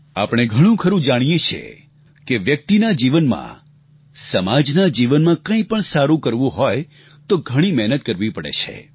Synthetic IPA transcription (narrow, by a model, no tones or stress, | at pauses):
a̰pɽ̃eɡʱəɽ̃ũkʰəɾũd͡ʒaɽ̃ijet͡ʃʰḛ | keʋjək̚t̪inad͡ʒiʋənmã̰ | səmad͡ʒnad͡ʒiʋənmãkə̃ĩpəɳsaɾũkəɾʋũɦɔj | t̪oɡʱəɽ̃imɛɦnət̪̚kəɾʋipəɽḛt͡ʃʰḛ